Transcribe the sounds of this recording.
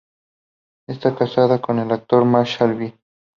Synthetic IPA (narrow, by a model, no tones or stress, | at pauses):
est̪akasaðakonelak̚t̪oɾmaʃalbi